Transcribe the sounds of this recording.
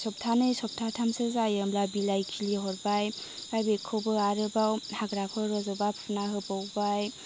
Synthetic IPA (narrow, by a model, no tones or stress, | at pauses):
sɔp̚tʰanɯjsɔp̚tʰatʰamsɯzajɯmlabilajkʰiliɦɔɾbaj | b̥ajbekʰɯwbɯaɾɯbawhaɡɾapʰɯɾɔzɔbapʰunaɦɯbawbaj